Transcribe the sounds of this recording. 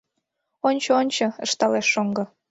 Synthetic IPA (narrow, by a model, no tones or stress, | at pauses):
onʲt͡ɕoonʲt͡ɕɤə̆ʃt̪ɑleʃːoŋɡɤ̆